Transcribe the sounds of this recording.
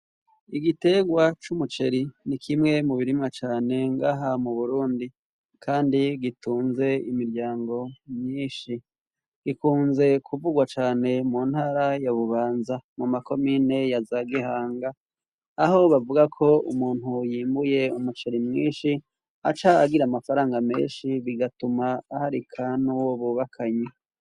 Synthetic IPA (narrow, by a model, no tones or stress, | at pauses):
iɡite̞ɡwat͡ʃumut͡ʃe̞ɾinikʰimŋe̞muβiɾimŋat͡ʃaːne̞ŋɡaːɦamuβuɾuːndi | kʰaːndiɡituːnze̞imiɾɟaːŋɡo̞mɲiːnʃi | ɡ̥ikuːnze̞kʰuvuɡwat͡ʃaːne̞muːnhaːɾajaβuβaːnzamumako̞miːne̞jazaɡihaːŋɡaː | ɦo̞βavuɡakʰo̞ṵmuːn̥hujiːmbuje̞umut͡ʃeɾimŋiːnʃi | at͡ʃaːɡiɾamafaɾaːŋɡamḛːnʃiβiɡatumaːhaɾikʰanuwoβuβakʰaɲe